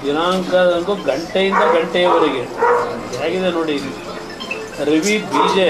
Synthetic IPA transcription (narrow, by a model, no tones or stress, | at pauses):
d̪inaːŋkad̪ɐnkoɡɐɳʈejind̪ɐɡɐɳʈɛjɐʋɐɾiɡeɐaːɡiðenoːɽili | ɾiʋibʱiːd͡ʒe